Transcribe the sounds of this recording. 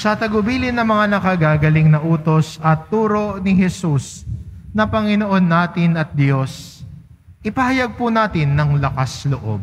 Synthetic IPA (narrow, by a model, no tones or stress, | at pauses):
sɐt̪ɐɡʊbiːlɪnːɐmɐŋanɐkɐɡaːɡɐlɪŋnɐʔuːt̪o̞sɐt̪ːuːɾo̞ʔnɪɦɛsusnɐpɐŋɪnoʔo̞nːaːt̪ɪnɐt̪̚d̪jo̞s | ʔɪpɐhɐjaɡ̚pʊnaːt̪ɪnːɐŋlɐkasloʔo̞̰b̚